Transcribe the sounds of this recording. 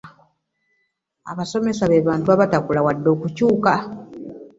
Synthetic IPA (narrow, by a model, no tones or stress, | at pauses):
a̰βaso̞me̞saβe̞βaːntuaβatakulawadːo̞ːkucuːka